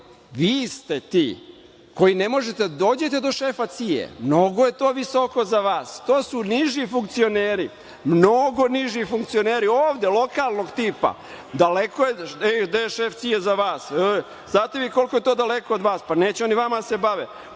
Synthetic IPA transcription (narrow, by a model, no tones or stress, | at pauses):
ʋiːst̪et̪iː | ko̞jinemo̞ʒet̪ed̪ad̪oːd͡ʑet̪e̞d̪o̞ʃeːfat̪sijḛmno̞ɡoje̞t̪o̞ːʋiso̞ko̞zaʋaːst̪o̞ːsuniʒifuŋk̚t̪sio̞neːɾi | mnoɡo̞niʒifuŋkt̪sio̞neːɾioːʋd̪elˠo̞kaːlˠno̞ɡt̪iːpa̰ | d̪alekoeɛd̪ajeʃeːft̪sijezaʋaːs | znaːt̪eʋiko̞lkoje̞t̪od̪alekoːd̪ʋaːspaneːt͡ɕuo̞niʋamase̞baʋe